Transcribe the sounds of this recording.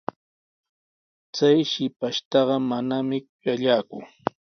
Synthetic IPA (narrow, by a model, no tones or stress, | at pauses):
t͡sajʃɪpaʃt̪ɑɢɑmanamɪʊjaʎaːkʊ̰ŋ